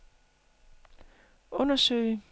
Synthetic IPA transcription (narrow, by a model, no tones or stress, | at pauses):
ʔɔ̽nɐsø̰ɪə